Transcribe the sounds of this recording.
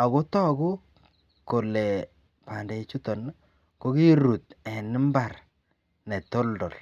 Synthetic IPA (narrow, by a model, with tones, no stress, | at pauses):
a˨ɣo˦tɔ˦˨ɡu˦ | ko˨lɛ˨ | pa˨nde˨t͡ʃu˦to˨n | ko˦ki˦ɾu˨t̪ɛ˨nɪ˦mba˨r | nɛ˨to˦ldɔ˨l